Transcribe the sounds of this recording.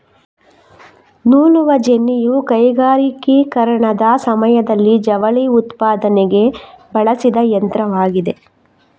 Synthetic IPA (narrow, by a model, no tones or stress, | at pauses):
nuːluʋɐd͡ʒenːijukɐjɡaːɾikikɐɾɐɳɐd̪ɐsɐmɐjɐd̪ɐlːid͡ʒɐʋɐɭiut̪paːd̪ɐneɡe̞bɐɭɐsid̪ɐjɐnt̪ɾɐʋaːɡid̪e